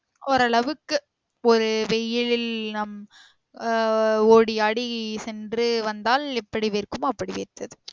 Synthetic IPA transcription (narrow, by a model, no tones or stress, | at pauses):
ɔɾɐɭɐʋɯkːɯ | ɔɾɯʋɛjːɪlɪlnɐm | oːɽiɐɽisɛndrɯʋɐnd̪aːlɛpːɐɽiʋeɾkɯmɐpːɐɽiʋḛːɾt̪ɐðɯ